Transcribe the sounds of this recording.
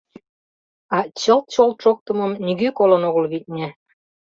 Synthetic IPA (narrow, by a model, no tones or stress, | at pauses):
ɑt͡ɕə̆lt̪̚t͡ɕolt̪ʃok̚t̪ə̆mɤmnʲiɣykolə̆noɣəlβit̪̚ʲnʲe